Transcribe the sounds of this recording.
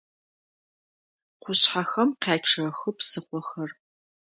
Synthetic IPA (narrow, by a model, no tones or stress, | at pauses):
qʷʊɕħaxɐmqaːʈ͡ʂʰɐxɨpsɨχʷɔxɐr